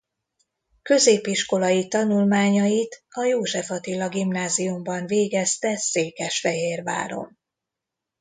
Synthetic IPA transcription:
kø̞zeːpiʃko̞lɒjit̪ɒnulmaːɲɒjit̪ɒjoːʒɛfɒt̪ilɒɡimnaːzijumbɒɱveːɡɛst̪ɛseːkɛʃfɛɦeːrva̰ːɾo̞̰m

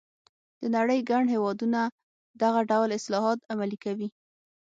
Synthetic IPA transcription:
d̪̥ənaɽəjɡaɳhewɑd̪una | d̪aɣaɖawlɪslɑɦɑt̪amalikawi

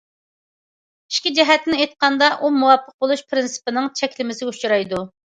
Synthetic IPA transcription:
i̥ʃkʲid͡ʒɛɦɛt̪nɪejt̪̚qɑnd̪ɑʔumuwɑpʰːəq̚bolˠuʃpʰɾɪnsɨ̥pɪnɪŋt͡ʃʰɛkʲlɪmɪsɪɡʲut͡ʃɾɑjd̪u

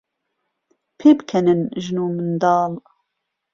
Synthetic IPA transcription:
pʰeːbkʰɛnɨnʒɨnuːmɨnd̪ɑːl

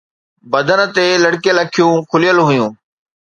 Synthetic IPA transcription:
bəd̪ʱənə̆t̪eːləɽkeləkʰjũːkʰʊlijəlɦʊjũː

